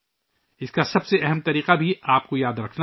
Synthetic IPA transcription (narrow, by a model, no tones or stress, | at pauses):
ɪskasɐbseʔɛɦɛmt̪ɐɾiːqabʱiaːp̚kojaːd̪ɾɐkʰna